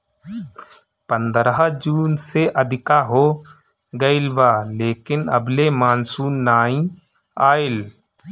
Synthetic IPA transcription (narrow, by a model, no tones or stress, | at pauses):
pə̃nd̪ɾɦad͡ʒuːnseʔəd̪ʱɪkaɦo | ɡəɪlʋaːleːkɪnə̰blemaːnsuːnnaːĩ | aːɪl